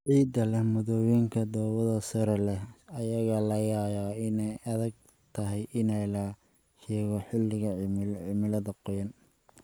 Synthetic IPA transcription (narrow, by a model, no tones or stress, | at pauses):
ʕiːd̪ɐlɛhmʊðɔwiŋkʰɐd̪ɔːwɐðɐsɐɾɛlɛhɐjɐɣɐlɐjaːjaɪnɛjɐðɐɡ̚ | t̪ʰɐɦɛjʔɪnɛjlɐ | ʃɛːɣɔħɪlːɪɣɐʕmlʕɪmɪlɐðɐqɔjɐn